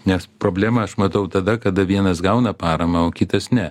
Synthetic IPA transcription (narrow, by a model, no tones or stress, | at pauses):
nʲɛspɾoːbʲlʲæːmɐɐʃmɐt̪ɐʊt̪ɐd̪ɐkɐd̪ɐʋʲiɛnɐsɡɐʊnɐpɑːɾɐmɐoːkʲɪt̪ɐsnʲɛ